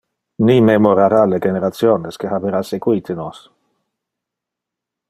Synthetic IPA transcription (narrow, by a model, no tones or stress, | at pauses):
nimemoɾaɾaleɡeneɾat̪sjoneskehabeɾasekwit̪ʰenos